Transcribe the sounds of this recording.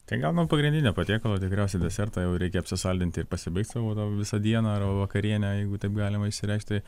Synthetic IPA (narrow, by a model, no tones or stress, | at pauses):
t̪ɐɪɡɐlˠnuɔpɐɡɾʲɪnʲd̪ʲɪnʲoːpɐt̪ʲiːkolˠoːt̪ʲɪkɾʲæˑʊsʲɛɪd̪ʲɛsʲɛrt̪ɑjɛʊɾʲɛɪkʲɛɐpʲsʲɪsɐlʲd̪ʲɪnt̪ʲɪɪɾpɐsʲɪbɐɪkt̪ʲsɐʋoːt̪ɑʋʲɪsɐd̪ʲiɛnɐɐrbɐʋɐkɐɾʲiɛnʲɛjɛɪɡʊt̪ɐɪpɡɑːlʲɪmɐɪʃʲsʲɪɾʲɛɪʃkt̪ʲt̪ɐɪ